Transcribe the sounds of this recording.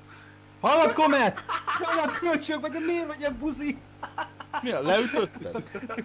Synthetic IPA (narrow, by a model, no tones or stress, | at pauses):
hɒlːot̪komɛt̪ɒjɒkʰølt͡ʃøːk̚bɛt̪ɛmeːrvɛɟɛmpuzi | miɒlɛyt̪øt̪ːɛ̰